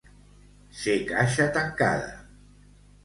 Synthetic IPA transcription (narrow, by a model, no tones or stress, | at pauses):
sekaʃat̪aŋka̰ða̰